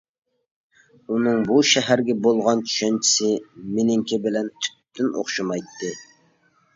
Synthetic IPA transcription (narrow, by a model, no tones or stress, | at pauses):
unɨŋbuʃɛɦæɾɡʲɛbolˠʁɑnt͡ʃʰy̥ʃɛnt͡ʃʰi̥sɪmɪnɪŋkʲɪbɪlɛnt̪ʰy̥p̚t̪ɪno̰χʃɨmɑjt̪ːɨ